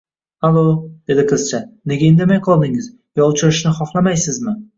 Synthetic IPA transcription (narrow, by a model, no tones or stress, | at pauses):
halˠod̪̥e̞d̪ɪqʰɨzt͡ʃʰane̞ɡʲaend̪emajqʰɒlˠd̪ɪŋɪz | jɒʊt͡ʃʰɪɾɪʃnɪχɒχlˠamajsɪzmɪ